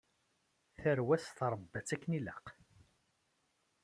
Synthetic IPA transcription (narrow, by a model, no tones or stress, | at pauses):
θəɾwæsθɾˤəbːæt͡sːækːnilæq